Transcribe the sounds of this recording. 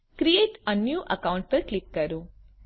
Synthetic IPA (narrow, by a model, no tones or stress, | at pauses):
kɾijeːʈɐ̃nːjuːʔɐkɐwʊ̃ɳʈ̚pɐɾklikːɐɾu